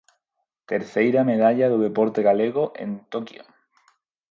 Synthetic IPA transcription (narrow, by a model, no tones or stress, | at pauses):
t̪eɾθejɾameðaʎaðʊðepoɾt̪eɣaleɣoʔḛnt̪okjo̰